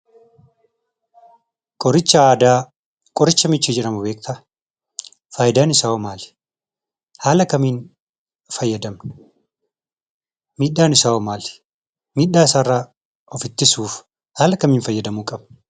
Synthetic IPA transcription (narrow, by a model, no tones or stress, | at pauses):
kʼɔɾɪt͡ʃːɐaːd̪aː | kʼɔɾɪt͡ʃːɐmɪt͡ʃːɪd͡ʒɛᶑɐmʊbeːk̚t̪ɐ | faːjɪd̪aːnɪsaːɔmaːl | haːlɐkɐmiːn | fɐjːɐd̪ɐm | miːᶑːaːnɪsaːɔmaːl | miːᶑaːɪsaːrːaː | ɔfɪt̪ːɪsuːf | haːlɐkɐmiːnfɐjːɐd̪ɐmuːkʼɐb̥ɐ